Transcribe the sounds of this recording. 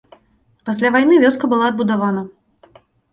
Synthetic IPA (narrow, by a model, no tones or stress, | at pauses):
pasʲlʲavajnɨvʲɔskɐbɨlˠaːd̪̚bud̪avanɐ